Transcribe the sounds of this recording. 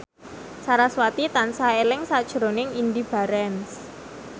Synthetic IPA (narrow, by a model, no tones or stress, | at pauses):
saɾaswat̪it̪ansaelɪŋsad̥ʒ̥əɾonɪŋind̪ib̥a̤ɾɛns